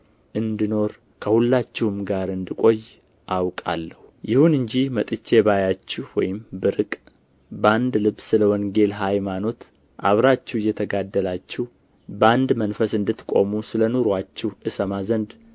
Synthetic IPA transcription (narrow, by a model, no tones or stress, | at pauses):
ʔɨnd̪ino̞ɾ | kʰəhulːat͡ʃːɪhumɡaɾɨnd̪ɨkʼo̞j | ʔawkʼa̰lːəhujɪhunɨɲd͡ʒihmət̪ʼɨt͡ʃːe̞βajat͡ʃːɪhwɔ̰jɪmbɨɾɨkʼ | band̪lɨβsɨləwɔŋɡe̞lɦajmano̞t̪ | ʔa̰βɾat͡ʃːɛhjːɛt̪ʰəɡad̪ːəlat͡ʃːɪh | bəand̪mənfəsɨnd̪ɨt̪ːkʼo̞musɨlənoɾat͡ʃːɛhʔɨsəmazənd̪